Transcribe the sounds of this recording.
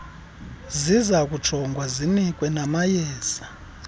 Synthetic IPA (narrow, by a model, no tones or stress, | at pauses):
zizak̬ʼut͡ʃʰɔŋɡwazinikʼwɛnamajɛːz̥a